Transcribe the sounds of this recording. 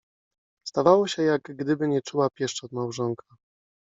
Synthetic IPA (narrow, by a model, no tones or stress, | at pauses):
st̪avawɔɕɛjaɡɡd̪ɘbɘɲɛt͡ʂuwapʲjɛʂt͡ʂɔd̪mawʐɔŋkʰa